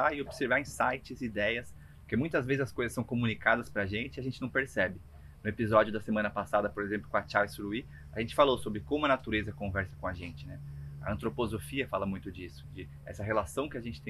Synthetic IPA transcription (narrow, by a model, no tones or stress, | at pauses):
aɪobseɾvaɾĩsajt͡ʃɪzid̪ɛjɐs | pʊkemũj̃t̪ɐzvezɪzɐskojzɐsːɐ̃w̃komunikad̪ɐspɾaʒẽnt͡ʃɪiaʒẽnt͡ʃɪnɐ̃w̃peɾsɛbɪ | nʊepizɔd͡ʒiʊd̪ɐsemɐ̃nɐpasad̪ɐpoɾezẽmplʊkõɐt͡ʃawsɾui | aʒẽnt͡ʃɪ̥falowsobɾɪkõmʊɐnat̪uɾezɐkõvɛɾsɐkõɐʒẽnt͡ʃɪnɛɐɐ̃nt̪ɾopozofiɐfalɐmũj̃t̪ʊd͡ʒisʊ̥d͡ʒɪ | ɛ̰sɐɦelasɐ̃w̃kɪaʒẽnt͡ʃɪt̪ẽ